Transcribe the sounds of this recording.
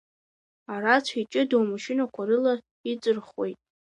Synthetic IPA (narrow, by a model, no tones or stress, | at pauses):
aɾat͡ʃʷʰait͡ʃʼɨdowmaʃɪnakʷʰaɾɨla | it͡sʼɨrχwejtʼ